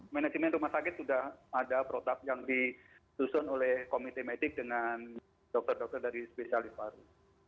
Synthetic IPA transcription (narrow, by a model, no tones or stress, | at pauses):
mɛnad͡ʒimɛnrumahsakɪt̪̚sudahadapɾot̪ap̪̚jaŋdi | susʊnolɛhkomit̪emedɪk̚dəŋan | dɔk̚t̪ɔrdɔk̚t̪ɔrdaɾispesialɪst̪baɾu